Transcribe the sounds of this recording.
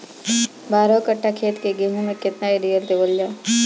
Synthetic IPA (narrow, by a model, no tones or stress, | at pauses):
baːɾokəʈʰːakʰeːt̪keɡeːmõmẽkɪt̪naeɾijəɾd̪eʋəljaː